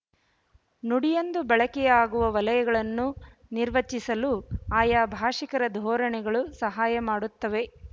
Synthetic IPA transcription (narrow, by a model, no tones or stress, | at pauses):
nuɽijond̪ubɛɭɐkɛjaːɡuʋɐʋɐlɐjɐɡɐɭɐnːu | niɾʋɐt͡ʃːisɐluaːjaːbʱaːʂikɐɾɐd̪ʱɔːɾɐɳɛɡɐɭusɐɦaːjɐmaːɽut̪ːɐʋe̞